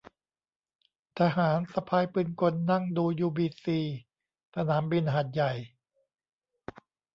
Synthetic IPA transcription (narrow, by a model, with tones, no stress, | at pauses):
t̪ʰaː˧ɦaː˩˦nsa˧pʰaː˧jpɯː˧nko˧nːa˥˩ŋduː˧juː˧biː˧siː˧ | sʰa˧naː˩˦mbi˧nɦaː˨˩t̪̚ja˨˩j